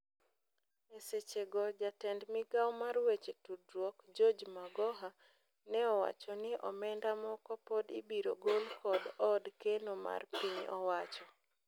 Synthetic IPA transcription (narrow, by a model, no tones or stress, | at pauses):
eset͡ʃeɡɔd͡ʒatɛndmɪɡawmarwet͡ʃetudɾwɔkd͡ʒod͡ʒmaɡɔɦa | nɛɔwa̰t͡ʃɔnɪʔɔ̰mɛndamɔkɔpodibiɾoɡolkʰɔdɔdkenoma̰rpiɲɔ̰wat͡ʃɔ